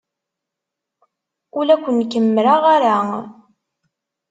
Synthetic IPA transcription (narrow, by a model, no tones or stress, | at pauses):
ʊlækʷːənkəmːɾaʁaɾa